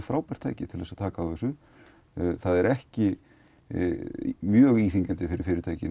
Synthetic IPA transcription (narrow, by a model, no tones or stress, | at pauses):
fɾaːwpɛɾ̥t̪ʰa̰ːjcɪt̪ʰɪlɛsaðt̪ʰaːkaaðɛsʏ | θaðɛɾɛhcɪ | mjœːɣiːθiŋkant̪ɪfɪɾɪɾfɪːɾɪɾt̪ʰaːjcɪn